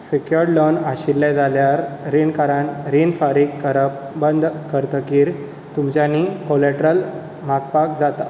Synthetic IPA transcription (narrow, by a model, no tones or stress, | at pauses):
sikjoɾɖlonaɕilːad͡zʱaljaɾɾinkaɾaɳɾinfaɾikkːəɾəpbənd̪kəɾt̪əkiːɾ | t̪umt͡ɕjaniːkolɛʈɾəl | maɡpak̚d͡zat̪a